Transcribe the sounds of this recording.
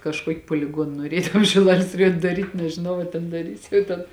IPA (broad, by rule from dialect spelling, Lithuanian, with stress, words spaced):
kɐʃˈkuɔkʲɪ puɔlʲɪˈɡuɔn nuɔˈrʲeː tɐm ʃʲɪˈlˠɑːlʲeːs rɐˈjuɔnʲ dɐˈrʲiːtʲ nʲɛʒʲɪˈnɐʊ ɐ tʲɛn dɐˈrʲiːs jɛʊ ˈtʲɛn